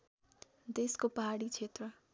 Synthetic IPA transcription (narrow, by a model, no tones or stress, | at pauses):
d̪eskopaɦaɽit͡sʰet̪rʌ